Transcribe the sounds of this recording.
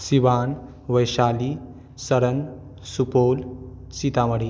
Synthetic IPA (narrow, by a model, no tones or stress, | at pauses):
siʋaːn | ʋəjɕali | səɾən | supoːlsit̪aʋəɽi